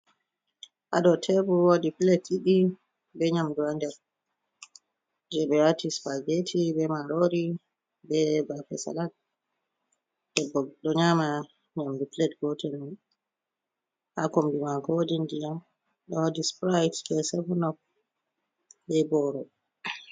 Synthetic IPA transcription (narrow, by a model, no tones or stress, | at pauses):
ʔaɗɔtʰɛbuwodiplɛtiɗi | bɛɲamduandɛɾ | d͡ʒɛbɛatispaɡetʰibɛmaɾoɾi | bɛbafɛ̰sa̰lat̚ | ɗɛbɔɗɔɲama | ɲamduplɛtɡɔtɛnːun | hakombimahodindija | ɗɔwodispɾajtbɛsɛvɔnɔf̚ | bɛbɔɾɔ